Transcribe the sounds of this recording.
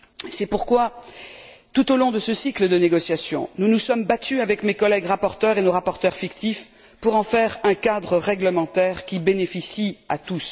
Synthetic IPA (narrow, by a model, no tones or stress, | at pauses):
sɛpuʁkwa | t̪ut̪olɔ̃d̪əsəsikləd̪əneɡɔsjasjɔ̰̃nunusɔmbat̪yavɛkmekɔlɛɡʁapɔʁt̪œʁenoʁapɔʁt̪œʁfikt̪if | puʁɑ̃fɛʁɛ̃kad̪ʁəʁɛɡləmɑ̃t̪ɛʁkʲibenefisiat̪us